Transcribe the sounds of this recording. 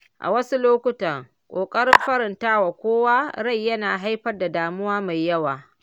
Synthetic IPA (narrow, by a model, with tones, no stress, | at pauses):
ʔa̰˨wɐ˦su˦loː˦kʷʊ˦tɐ˨ŋ | kʷʼoː˨kʼɐ˦ɾɪ˦mɸɐ˦ɾɪ˨ntaː˦wa˨kʷoː˦waː˦ɾa˦˨jːɐ˦naː˨ɦa˦jɸɐ˦rda˨daː˨mʊ˦waː˦ma˨jːɐ˦waː˨